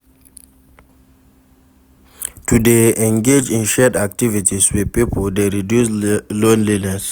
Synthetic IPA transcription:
tudeɛ̃ŋɡed͡ʒĩnʃɛdak̚tivitiswipipəldeɹidjuslõnlinɛs

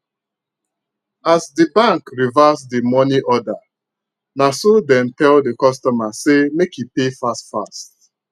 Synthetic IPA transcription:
asdibãŋkɹivasdimɔniʔɔda | nasodɛ̃mtɛldekɔstɔmasemekipefastfast̚

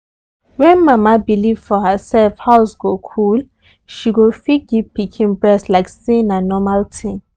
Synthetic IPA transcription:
wɛ̃nmamabilivfɔɦəsɛlfhaʊsɡokʰul | ʃiɡofit̚ɡipikʰĩnbɹɛslaɪksĩĩnanɔmaltʰĩ

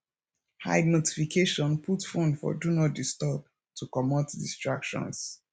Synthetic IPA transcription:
ha̰ɪdnoti̥fikʰeʃɔ̃npʰutfũndfɔ̰dunɔt̚distɔb | tʰukɔmatdistɹakʃɔ̰̃ns

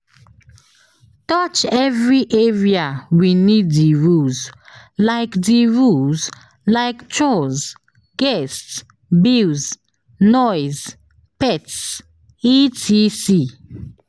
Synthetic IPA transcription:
tɔt͡ʃɛvɹiʔeɹiawiniddiɹuz | laɪkdiɹulz | laɪkt͡ʃɔz | ɡ̥ɛsts | bilz | nɔɪz | pɛts | itʰisi

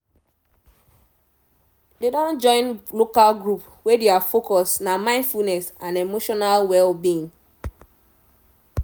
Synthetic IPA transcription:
dedɔ̃nd͡ʒɔ̃ɪ̃nlokalɡɹup | wedeafokɔsnamãɪ̃ndfulnɛsãnemoʃɔnalwɛlbin

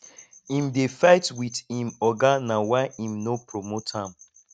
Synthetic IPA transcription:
ĩmdefaɪtwiθĩmɔɡanawaɪĩmnopɹomothãm

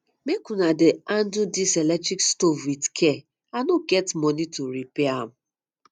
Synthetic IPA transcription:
mekunadeandudiselɛk̚tɾikstofwitkʰɛ | anoɡɛtmɔnituɾipeam̩

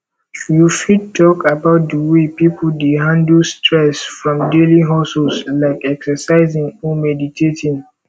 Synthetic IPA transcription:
jufidtɔkabaʊt̚dəwepipodeɦãndəstʰɹɛsfɹɔ̃mdeliɦɔsɔslaɪkɛksəsaɪzĩŋɔmɛditʰetʰĩŋ

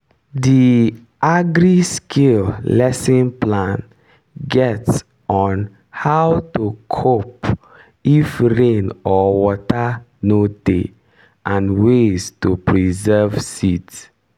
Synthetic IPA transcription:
di | ʔaɡɹiskʰillɛsĩnplãn | ɡɛts | ɔ̃n | hawtukʰop | ifɹẽnɔwɔtanode | ʔãnweztupɹizɛvsits

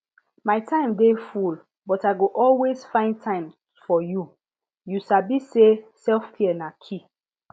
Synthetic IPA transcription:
maɪtʰãɪ̃mdeful | bɔtaɪɡoʔɔlwezfãɪ̃n̚tʰãɪ̃m | fɔju | jusabisesɛlfkʰiɛnakʰi

